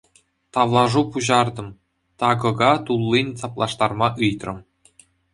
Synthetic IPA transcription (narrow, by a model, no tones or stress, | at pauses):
t̪ɑʋlˠɑʐupuʑɑrd̪ɤ̆m | t̪ɑɡɤ̆ɡɑt̪ulˠːinʲsɑplˠɑʂt̪ɑrmɑʔɯjt̪rɤ̆m